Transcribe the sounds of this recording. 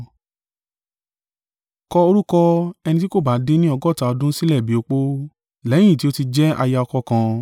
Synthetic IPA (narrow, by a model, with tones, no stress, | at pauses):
kɔ˧o˧ɾu˦kɔ˧ɛ˧nĩ˧ti˦ko˦˨ba˨˦de˦nĩ˦ɔ˧ɡɔ˦˨ta˨˧ɔ˧dũ˦si˦lɛ˦˨bi˨˦o˧k͡po˦˨ | lɛ˨˦j̃ĩ˦˨ti˦o˦ti˧d͡ʒɛ˦a̰˧ja˧ɔ˧kɔ˧kã˧